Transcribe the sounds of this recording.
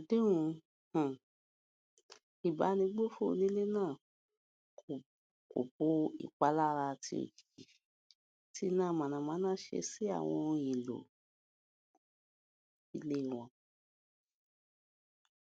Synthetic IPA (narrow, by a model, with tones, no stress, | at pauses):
a˨de˦wũ˧ | h̩˨ | i˨ba˨˦nĩ˧˦ɡ͡bo˦fo˦˧nĩ˧˦le˦nãː˦˨ | k | ko̰˨bo˦ḭ˦˨k͡pa˨˦la˦˧ɾa˧ti˦o̰˨ki̥˨ki˨ | ti˦nã˦˨mã˨nã˨˧mãː˨˦nãː˦ʃḛ˧˦si˦a̰˦˨w̃ɔ̰̃˧jĩ˨lo̰˨ | i˧le˦i˨w̃ɔ̃˨˧